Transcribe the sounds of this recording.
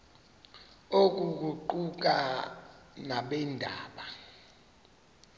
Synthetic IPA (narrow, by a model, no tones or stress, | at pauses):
ok̬uk̬uǃuk̬a | naɓɛndʱa̰ːɓa